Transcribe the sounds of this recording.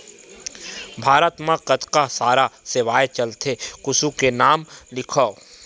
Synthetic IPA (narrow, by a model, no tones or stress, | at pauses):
bʱaːɾət̪mãqɐt̪kasaːɾaseʋaːet͡ʃɐlt̪ʰekʊsukenaːmlɪkʰoː